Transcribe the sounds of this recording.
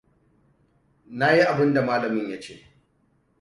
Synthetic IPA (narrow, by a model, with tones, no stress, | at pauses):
na˦ji˦ʔa˨bɪ˦nda˨maː˦lɐ˨mɪ˦ɲja˦t͡ʃḛː˦